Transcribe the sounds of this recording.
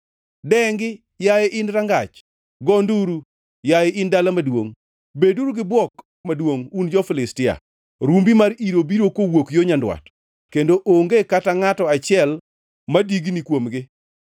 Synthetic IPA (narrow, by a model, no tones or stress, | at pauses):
dɛŋɡɪ | jajeʔɪnɾaŋɡat͡ʃ | ɡɔnduɾu | jajɛɪndalamadwo̰ŋ | beduɾuɡɪbwɔk | madwoŋund͡ʒɔfɪlɪstɪa̰ | ɾumbimaɾiɾobiɾokowokjoɲandwa̰t | kendoʔoŋɡekataŋatɔat͡ʃɪɛl | madiɡnikwomɡɪ